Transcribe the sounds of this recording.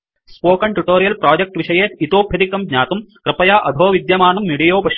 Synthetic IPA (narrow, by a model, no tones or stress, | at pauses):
spoːkɐɳʈuʈoːɾijɐlpɾaːd͡ʒɐk̚ʈʋiʂɐjeːt̪it̪oːbʱjɐd̪ikːɐmɡɲaːt̪umkɾɐpɐjaːʔɐd̪ʱoːʋid̪jɐmaːnɐmːiɽijoːpɐ